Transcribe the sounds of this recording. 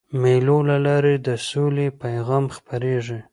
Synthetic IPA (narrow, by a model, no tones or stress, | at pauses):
majlolalɑɾed̪əsolepajɣɑmxpaɾeʐi